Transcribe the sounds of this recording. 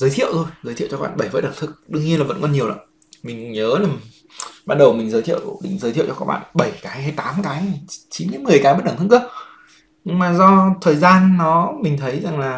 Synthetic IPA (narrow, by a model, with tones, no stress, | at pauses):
zəː˨˦jt̪ʰḭ˧˨əwt̪ʰo˧jzə˨˦jt̪ʰḭ˧˨wt͡ɕɔ˧˦˥ɓa̰ː˧˨ɓə˧˩jvəː˨˦˥ɗə˧˩ŋt̪ʰɨ˦˥k̚ɗɨ˧əŋɲi˧ənlaː˨˩və̰˧˥nkɔ˧nɲi˨˩əwla̰˧˥ | mï˨˩ŋ̟ɲəː˨˦laː˨˩ | ɓaː˧n̚ɗə˨˩wmï˨˩ŋzəː˨˦t̪ʰḭ˧ə˨wɗḭ˨˧˦ŋzəː˨˦jt̪ḭ˧˨wt͡ɕɔ˧kaː˦˥ɓa̰ː˧˨nɓə˧˩jkaː˨˦jɦa˧jt̪aː˨˦mkaː˨˦jt͡ɕi˨˦nkaː˨˦jmɨ˨˩əjkaː˨˦jmə˦˥ɗa˧˩ŋt̪ʰk̚ː | ɲɨ˧ŋmaː˨˩zɔ˧t̪ʰəː˨˩jzaː˧nːɔ˨˦mï˨˩ŋ̟t̪ʰə˨˦jza˨˩ŋlaː˨˩